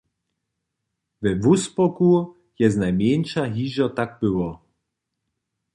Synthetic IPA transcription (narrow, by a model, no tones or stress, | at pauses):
vɛvuspɔku | jɛznajmjɛnʃaɦiːʒɔt̪aɡ̚bɪwɔ